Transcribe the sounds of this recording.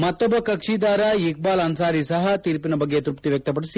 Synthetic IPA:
mɐt̪ːɐbːɐkɐkʂiːd̪aːɾɐjik̚baːlɐːnsaːɾisɐɦɐt̪iːɾpinɐbɐɡːet̪ɾupt̪iʋjɐk̚t̪ɐp̬ɐɽisi

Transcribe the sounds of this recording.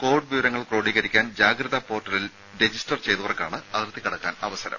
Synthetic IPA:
ko̞ːrɖɨʋiʋɐɾɐŋːɐɭproːɽiːɣɐɾikʲːaːnd͡ʑaːɡɾɐðɐpo̞ːʈːɐlil | ɖed͡ʑistɐrt͡ɕe̞jðuʋɐrkʲːa̰ːɳɨɐðrt̪ːikɐɽɐkːaːnɐʋɐsɐɾɐ̰m

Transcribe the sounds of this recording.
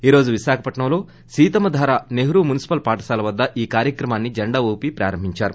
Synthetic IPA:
iːɾo̞ːd͡ʒuʋiʃaːkʰɐpɐʈɳɐmlo̞ː | siːt̪ɐmɐd̪ʱaːɾaːneɦɾuːmunisi̥pɐlpaːʈɐ̥saːlɐʋɐd̪ːɐʔiːkaːɾjɐkɾɐmaːnːid͡ʒɐɳɖaʋoːpipɾa̰ːɾɐmbʱiɲt͡ʃaːɾu

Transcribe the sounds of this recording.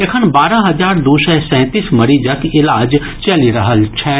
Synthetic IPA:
ekʰənbaːɾãɦɐzaːɾd̪oːsɛsɛ̃ːt̪iːsmɐɾid͡ʒəkɪlaːd͡ʒ | t͡ʃɐliɾɐɦəlt͡ʃʰɛː

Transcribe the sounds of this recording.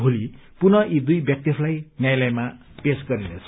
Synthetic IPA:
bʱoli | punʌʔid̪ujbjʌk̚t̪jʌpʰlajnjajlajma | pesɡʌɾinet͡sʰʌ̥

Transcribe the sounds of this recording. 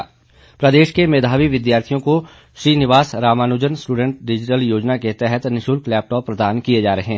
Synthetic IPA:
pɾɐd̪eːʃkemeːd̪ʱaːʋiʋɪd̪jaːɾt̪ʰijõko | ʃɾiːnɪʋaːsɾaːmaːnʊd͡ʒənsʈuːɖə̃ɳʈ̚ɖɪd͡ʒɪʈəljoːd͡ʒnaket̪ɛɦɛt̪nɪʃuːlklɛːp̚ʈɔːpːɾɐd̪aːnkijed͡ʒaːɾɐɦẽː

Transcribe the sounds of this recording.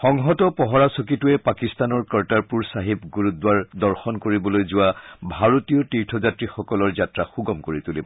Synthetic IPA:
xɔŋɦɔtɔpɔɦɔɹasɔkituɛpakist̪anɔɹkəɹtaɹpuɹsaɦibɡuɹut̚dwaɹdɔɹxɔnkoɹibɔlojzʊwabʱaɹotijɔtiɹtʰɔzatɹixɔkɔlɔɹzatɹaxuɡɔmkoɹitulib

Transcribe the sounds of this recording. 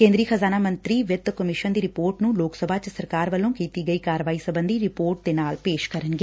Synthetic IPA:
kẽːnd̪ɾiːəxʰɐzaːnaːmɐ̃nt̪ɾiʋjɪt̪kɐmɪʃənd̪iːɾɪpoːɾʈnũloːksəbʱat͡ʃəsɐɾkaːɾʋɐlːõːkiːt̪iɡɐikaːɾʋaːisɐbə̃nd̪ʱiɾɪpoːɾʈ̚d̪eːnaːlpeːʃkɐɾənɡe

